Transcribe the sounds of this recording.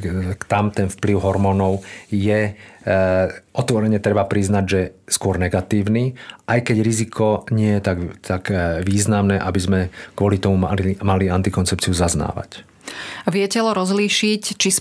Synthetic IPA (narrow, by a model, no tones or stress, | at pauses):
t̪amt̪ɛnfpliʊɦɔɾmɔːnɔʊjɛ | ʔɔt̪ʋɔɾɛɲɛt̪ɾɛbapɾiznaɟʒɛskʊɔɾnɛɡat̪iːʊniʔajkɛɟɾizikʰɔɲɪɛjɛt̪aɡt̪ʰaɡʋiːznamnɛʔabizmɛkʋɔlit̪ɔmumamaliant̪ikɔnt͡sɛp̚t͡siuzazna̰ːʋa̰c | ʋɪɛcɛlɔɾɔzliʃict͡ʃis